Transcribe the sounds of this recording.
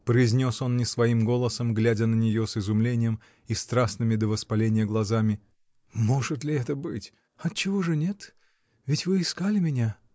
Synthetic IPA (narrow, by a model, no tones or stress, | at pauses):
pɾəɪzʲnʲo̞so̞nnʲɪsvɐimɡo̞lˠəsəmɡlʲædʲənənʲɪjo̞sɪzʊmlʲenʲɪjəm | ɪst̪ɾasnɨmʲɪd̪əvəspɐlʲenʲɪjəɡlˠɐzamʲɪ | moʐɨt̪lʲɪɛt̪əbɨtʲ | ɐt̪t͡ɕɪvoʐɨnʲet̪ | vʲɪtʲvɨɪskalʲɪmʲɪnʲa